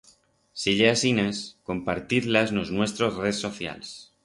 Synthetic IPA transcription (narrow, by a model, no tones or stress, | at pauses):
siʎeasinasko̞mpaɾt̪iðlaznoznwe̞st̪ɾo̞zreðso̞θja̰ls